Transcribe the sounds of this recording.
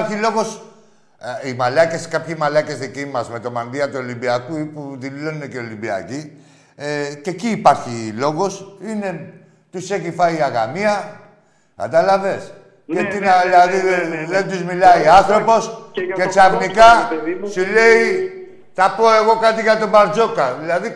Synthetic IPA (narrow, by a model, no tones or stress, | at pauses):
ɾçilo̞ɣo̞s | imalɐce̞skapçimɐlɐcesicimɐzme̞t̪o̞mand̪iɐt̪uolimbiakuipuðilo̞nneceo̞limbia̰ci | ce̞ciːpɐɾçilo̞ɣo̞sine̞ | t̪use̞çifɐiaɣa̰miɐ | ka̰t̪ɐlave̞s | et̪inaðilaðiðent̪uzmilaianθɾo̞po̞scet͡sɐvnikasule̞i | θɐpoe̞ɣo̞kat̪iʝɐt̪obaɾd͡ʒo̞kɐðilɐði